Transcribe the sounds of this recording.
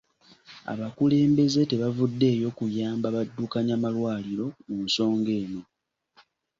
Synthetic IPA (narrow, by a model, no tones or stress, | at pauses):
a̰βakule̞ːmbe̞ze̞te̞βavudːe̞ːjo̞kujaːmbaβadːukaɲamalwaːliɾo̞munso̞ːŋɡe̞ːno̞